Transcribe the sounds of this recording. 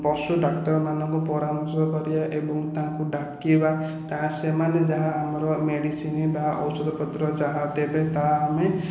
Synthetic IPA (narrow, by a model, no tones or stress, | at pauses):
pɔsuɖakʈɔɾmanɔŋkupɔɾamɔɾsɔkɔɾijaʔebɔŋt̪aɦãŋkuɖakːiba | t̪aɦãsemaned͡ʒaɦaːmɔɾɔmeɽisinibaɔ̰wsɔd̪ʱɔpɔt̪ɾɔd͡ʒaɦat̪ebet̪aːme